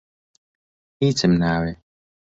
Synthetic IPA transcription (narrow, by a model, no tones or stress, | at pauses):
hit͡sʰəmnawe